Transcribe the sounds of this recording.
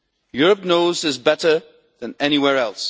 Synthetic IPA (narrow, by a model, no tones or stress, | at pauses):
jʊɹɨp̚noʊzɨzbɛɾə˞ | ðɨ̃nɛñiwɛɹɛlˠs